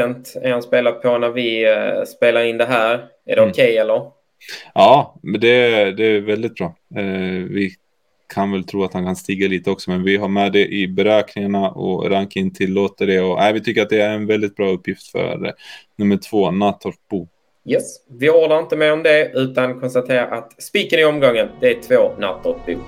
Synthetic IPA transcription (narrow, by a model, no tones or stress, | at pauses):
ɛnt̪æ̰ɾhanspeːlapʰɔnæɾvɪspeːlaɾɪnd̪ɛɦæːɾ | æ̰ɖɛʊkʰɛjɛlːəɾ | ʔɑːd̪ɛd̪ɛævɛld̪ɪt̪̚bɾɑː | vɪ | kʰanvɛlt̪ʰɾuːat̪hankʰanst̪iːɡaliːt̪əɔksɔmɛnvɪɦaɾmɛːd̪ɛʔɪbɛɾøːknɪŋaɳaʔɔ̰ɾaŋkaɪnːt̪ʰɪlːoːt̪əɖɛɔæɪvɪt̪ʰʏkːəɾat̪̚d̪ɛæɾɛnvɛld̪ɪt̪̚bɾɑːɵpːjɪft̪fœ̰ɾnɵmːəʈʰv̥oːnat̪ːɔt̚b̥uː | jɛsvɪɔːɖ̪aɾɪnt̪əmeɾɔmd̪ɛʉ̟ːt̪ankʰɔnst̪at̪ʰeːɾa̰ɾʔat̪spiːkənɪɔmɡɔŋːənd̪ɛæt̪ʰvoːna̰t̪ːɔt̪̚bṵː